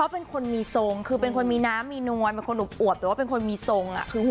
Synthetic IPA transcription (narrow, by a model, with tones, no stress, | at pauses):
ɔ˦˥pe˧nkʰo˧nmiː˧so˧ŋkʰɯː˧pe˧nkʰo˧nmiː˧naː˦˥mːiː˧nu˧əjpe˧nkʰo˧nʔuː˨˩p̚ʔuː˨˩˨waː˥pe˧nkʰo˧nmiː˧so˧ŋʔa̰˨˩kʰɯː˧